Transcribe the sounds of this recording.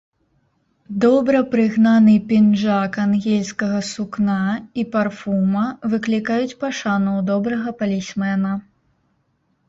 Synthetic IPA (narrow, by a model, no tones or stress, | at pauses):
d̪ɔbɾɐpɾɨɣnanɨpʲinʐakanɣʲɛlʲskɐɣɐsuknaiparfumɐvɨklʲikajut͡sʲpɐʂanɔwd̪ɔbɾɐɣɐpɐlʲisʲmɛnɐ